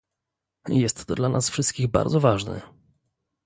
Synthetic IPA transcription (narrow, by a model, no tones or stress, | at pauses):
jɛst̪ːɔd̪lanʔasfʂɘst̪kʲiɣba̰ɾd̪zɔvaʐnɛ̰